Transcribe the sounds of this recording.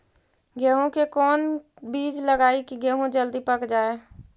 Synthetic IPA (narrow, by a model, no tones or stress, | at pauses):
ɡeɦũkekɔːn | biːd͡ʒləɡaːikiɡeɦũd͡ʒəld̪ipəkd͡ʒaːe